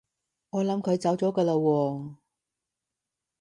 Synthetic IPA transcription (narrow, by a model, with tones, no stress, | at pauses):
ŋɔː˨˧lɐ˨˥mkʰɵ˨˧ɥt͡sɐ˨˥wt͡sɔː˨˥kɐː˧lo˧wɔː˧